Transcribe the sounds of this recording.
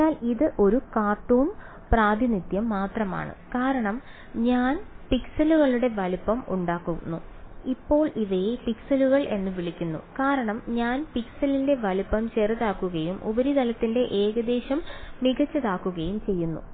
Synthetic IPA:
aːliðɨʔo̞ɾukaːt̪ːoːn | praːd̪ʱinit̪jɐmːaːt̪rɐma̰ːɳɨ̰kaːɾɐɳɐm | ɲaːnpiksɐluɣɐɭuɽe̞ʋɐlupːɐmuɳɖaːkːunːuipːo̞ːɭiʋɐjpiksɐluɣɐɭʔe̞nːɨʋiɭikʲːunːṵkaːɾɐɳɐmɲaːnpiksɐlinde̞ʋɐlupːɐmt͡ɕerɐðaːkːuɣɐjumʔṵbɐɾid̪ɐlɐt̪ːinde̞ʔe̞ːɣɐd̪e̞ːɕɐmːiɣɐt͡ɕːɐðaːkːuɣɐjumt͡ɕe̞jːunːṵ

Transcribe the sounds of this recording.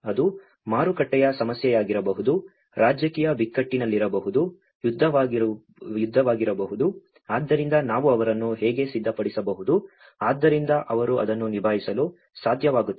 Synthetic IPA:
ɐd̪u | maːɾukɐʈːɛjɐsɐmɐsjɛjaːɡiɾɐbɐɦud̪u | ɾaːd͡ʒjɐkiːjɐbikːɐʈːinɐlːiɾɐbɐɦud̪u | jud̪ʱːɐʋ | jud̪ʱːɐʋaːɡiɾɐbɐɦud̪u | aːd̪ːɐɾind̪ɐnaːʋuɐʋɐɾɐnːuɦɛːɡe̞sid̪ʱːɐpɐɽisɐbɐɦud̪u | aːd̪ːɐɾind̪ɐʔɐʋɐɾuɐ̰d̪ɐnːunibʱaːjisɐlu | saːd̪ʱjɐʋaːɡut̪ː

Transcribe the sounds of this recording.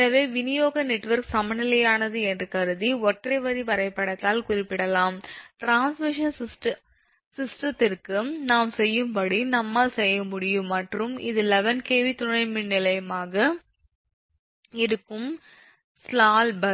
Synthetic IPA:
ɐʋeːʋɪnɪjoːɣɐnɛʈːʋɐɾksɐmɐnɪlɐjaːnɐðɯɛndrɯkɐɾɯðiɔʈːrɐɪʋɐðiʋɐɾɐɪpːɐɽɐt̪ːaːlkʊrɪpːɪɽɐlaːmʈɾaːnsmɪʂɐnssʈ | sɪsʈɐt̪ːɪrkɯnaːmsɛjːɯmpɐɽinɐmːɐsɛjːɐmʊɽɪjɯmːɐʈrɯmɪ̰ðɯlɛʋɐnkeːʋit̪ʊɳɐɪmɪnnːɪlɐjɐmaːɣɐ | ɛðɯkːɯm | slaːlbɐ

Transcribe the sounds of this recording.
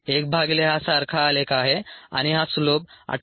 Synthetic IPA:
ek̚bʱaɡleɦasaɾkʰaːlekaɦea̰ɽ̃iɦasulob̚a̰

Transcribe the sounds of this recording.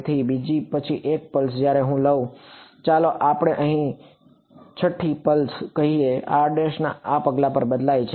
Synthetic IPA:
t̪ʰibid͡ʒipət͡ʃʰiʔek̚pəls̬d͡ʒjaɾeɦũləʋũt͡ʃaloʔapɽ̃eʔəɦĩ | t͡ʃʰəʈʰːipəlskəɦiea̰ɖeʃna̰apəɡlapəɾbəd̪lajt͡ʃʰe

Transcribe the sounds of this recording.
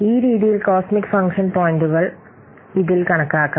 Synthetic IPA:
iːɾiːðijilkoːsmikːfɐŋkʂɐnpoːjnduɣɐɭ | iðilkɐɳɐkːaːkːɐ

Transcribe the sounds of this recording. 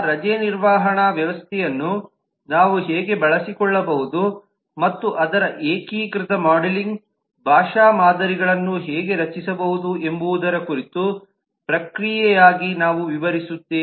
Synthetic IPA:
ɾɐd͡ʒɛniɾʋaːɦɐɳaʋjɐʋɐst̪ʰɛjɐnːu | naːʋuɦɛːɡe̞bɐɭɐsikɔɭːɐbɐɦud̪u | mɐt̪ːuʔɐd̪ɐɾɐʔeːkiːkɾit̪ɐmaːɖeliŋɡ | bʱaːʂaːmaːd̪ɐɾiɡɐɭɐnːuɦɛːɡe̞ɾɐt͡ʃːisɐbɐɦud̪uʔe̞mbuːd̪ɐɾɐkuɾit̪u | pɾɐkɾijɛjaːɡinaːʋuʋiʋɐɾisut̪ːeː

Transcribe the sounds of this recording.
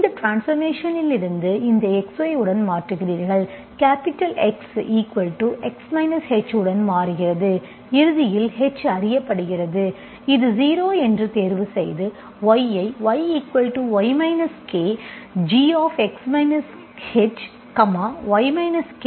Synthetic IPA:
ɪnd̪ɐʈɾaːnsfɐɾmeːʂɐnɪlɪɾɯnd̪ɯɪnd̪ɐɛksʋɐɪɯɽɐnmaːʈrɯɣɪriːɾɣɐɭ | kaːpɪʈːɐlɛksiːkʋɐlʈuʔɛksmɐɪnɐshɛt͡ʃːɯɽɐnmaːɾɯɣɪrɐðɯ | ɪɾɯðɪjɪlhɛt͡ʃːɐrɪjɐpːɐɽɯɣɪrɐðɯ | ɪðɯziːɾoːɛndrɯt̪eːɾʋɯsɛjðɯ | ʋɐjɐɪʋɐɪiːkʋɐlʈuʋɐɪmɐɪnɐskeːd͡ʒiːaːfɛksmɐɪnɐs | hɛt͡ʃ | kɐmaːʋɐɪmɐɪnɐskː

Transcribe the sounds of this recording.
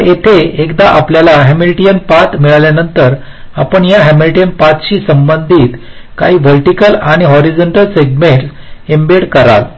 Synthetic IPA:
jet̪ʰeekd̪aʔapljalaɦemilʈijənpat̪miɭaljanənt̪əɾ | apəɳjaɦemilʈijənpat̪ɕiːsəmbənd̪ʱiːt̪ | ka̰ɦiːbʱəlʈikəlaɽ̃iɦɔɾid͡ʑɔɳʈəlseɡmeɳʈs | embeɽkəɾa̰l

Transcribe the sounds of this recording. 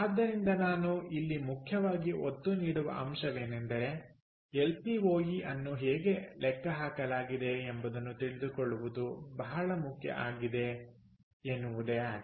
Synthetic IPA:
aːd̪ːɐɾind̪ɐnaːnuilːimukʰjɐʋaːɡiʔot̪ːuniːɽuʋɐ̰ʔɐ̰mʃɐʋe̞ːnend̪ɐɾe̞ | ɦelpiɦo̞ːjiʔɐnːuɦeːɡe̞lʔɛkːɐɦaːkɐlaːɡid̪e̞ːmbɐd̪ɐnːut̪iɭid̪ukɔɭːuʋud̪ubɐɦɐɭɐmukʰjɐ̰ʔaːɡid̪e̞ | enːuʋud̪ea

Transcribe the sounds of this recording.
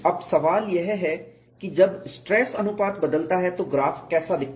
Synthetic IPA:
ɐbsɐʋaːljeɦɛɦɛː | kid͡ʒəbsʈɾɛːsənʊpaːt̪bəd̪əlt̪aːɦɛt̪oːɡɾaːfkɛːsaːd̪ɪk̚ʰ

